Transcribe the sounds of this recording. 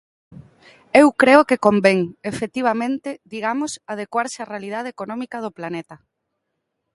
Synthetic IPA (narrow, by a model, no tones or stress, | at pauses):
ewkɾeʊkɪkombeŋefet̪iβ̞amẽnt̪ɪðiɣamʊsað̞ekwaɾsɪarealið̞að̞eekonɔmikɐð̞ʊplanet̪ɐ